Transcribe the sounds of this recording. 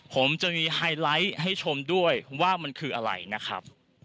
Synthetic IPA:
pʰo˩˦mt͡ɕa˨˩miː˧haː˧jla˦˥jɦa˥˩jt͡ɕʰo˧mdu˥˩əjwaː˥˩ma˧nkʰɯː˧ʔa˧ɾa̰˧jna˦˥kʰɾa̰˦˥p̚

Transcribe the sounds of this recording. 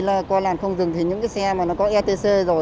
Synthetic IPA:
laː˨˩kwaː˧laː˨˩mxə˧wŋ͡mzɨ˨˩ŋt̪ʰi˨˩ɲɨ̰˧˥ŋka˨˦sɛ˧maː˨˩nɔ˨˦kɔ˨˦ʔɛ˧t̪e˧se˧zo˨˩

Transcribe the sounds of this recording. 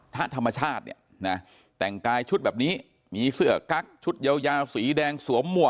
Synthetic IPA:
t̪ʰa˦˥t̪ʰa˧mːa˧t͡ɕʰaː˥˩t̪̚nḭ˥˩ə | na˦˥ | t̪ɛ˨˩ŋkaː˧jt͡ɕʰu˦˥t̪̚bɛː˨˩p̚niː˦˥ | miː˧sɯ˥˩ɐəka˦˥k̚t͡ɕʰu˦˥t̪̚ja˧wjaː˧wsiː˩˦dɛː˧ŋsu˩˦əmːu˨˩ə

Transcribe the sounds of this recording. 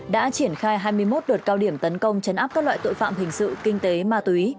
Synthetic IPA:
ɗa̰ː˧˥t͡ɕi˧˩ənxaː˧jɦaː˧jmɨ˧əjmo˦˥t̚ɗoː˨˩t̚kaː˧wɗi˧˩əmt̪ə˨˦nkə˧wŋ͡mt͡ɕə˨˦nʔaː˦˥p̚kaː˦˥k̚la̰ː˧˨jt̪o̰˧˨fa̰ː˧˨mɦï˨˩ŋ̟sɨ̰˧˨kï˧ŋ̟t̪e˨˦maː˧t̪wi˨˦

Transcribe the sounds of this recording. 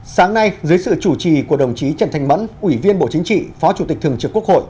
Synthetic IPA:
saː˨˦ŋna˧jzɨː˨˦jsɨ̰˧˨t͡ɕu˧˩t͡ɕi˨˩ku˧˩əɗə˨˩wŋ͡mt͡ɕi˨˦t͡ɕə˧˩nt̪ʰɛ˨˩ŋ̟mə̰˧˥nʔwi˧˩vi˧ənɓo̰˧˨t͡ɕï˨˦ŋ̟t͡ɕḭ˧˨fɔ˨˦t͡ɕu˧˩t̪k̚t̪ʰəŋt͡ɕɨ˨˩kːu˥əkho̰˧˨jʔ

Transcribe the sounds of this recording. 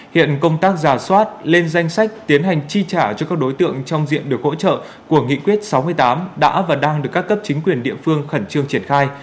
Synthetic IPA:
hḭ˧˨ənkə˧wŋ͡mt̪aː˦˥k̚zaː˧˩swaː˦˥t̚le˧nza˧jŋ̟sa˦˥jk̟̚t̪i˨˦ənɦa˨˩jŋ̟t͡ɕi˧t͡ɕaː˧˩t͡ɕɔ˧kaː˦˥k̚ɗo˨˦jt̪ɨ̰˧˨əŋt͡ɕɔ˧wŋ͡mzḭ˧˨ənɗɨ˨˩ək̚ho̰˧˥t͡ɕə̰ː˧˨ | ku˧˩əŋḭ˧˨kwi˦˥ət̚sa˨˦wmɨ˧əjt̪aː˨˦mɗa̰ː˧˥vaː˨˩ɗaː˧ŋɗɨ˨˩əkːaː˦˥kːə˦˥p̚t͡ɕï˨˦ŋ̟kwi˨˩ənɗḭ˧˨əfɨ˧əŋxə˧˩nt͡ɕɨ˧əŋt͡ɕi˧˩ənxaː˧j

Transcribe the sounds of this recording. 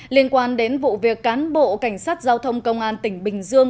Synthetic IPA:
li˧ənkwaː˧nɗe˨˦nvṵ˧˨vi˨˩əkːaː˨˦nɓo̰˧˨ka˧˩jŋ̟saː˦˥t̚zaː˧wt̪ʰə˧wŋ͡mkə˧wŋ͡mʔaː˧nt̪ï˧˩ŋ̟ɓï˨˩ŋ̟zɨ˧əŋ

